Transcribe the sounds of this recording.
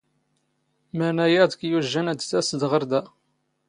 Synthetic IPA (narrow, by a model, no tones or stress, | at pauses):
mænæjæd̪kjuʒːænæd̪θæsəd̪ʁəɾˤd̪æ